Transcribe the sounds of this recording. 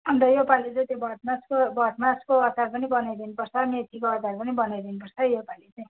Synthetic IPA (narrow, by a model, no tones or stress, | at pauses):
ʌnd̪ʌjopalet͡saj̃t̪jobʌt̪maskobʌt̪maskoʌsarpʌnibʌnajɾʌɦinpʌrt͡sʰʌmet̪ʰikoʌt͡sarpʌnibʌnajdʌinupʌrɾt͡sʰʌjopalit͡saĩ